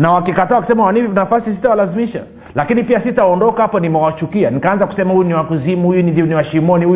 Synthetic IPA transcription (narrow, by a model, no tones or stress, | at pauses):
nawakikataːakusɛmawanivɔnafasisitawalazimiʃa̰ | lakinipiasitawɔndɔkaapanimɛwat͡ʃukianikaanzaku̥sɛmahujuniwakuzimuhujunindiɔniwaʃimɔnihuj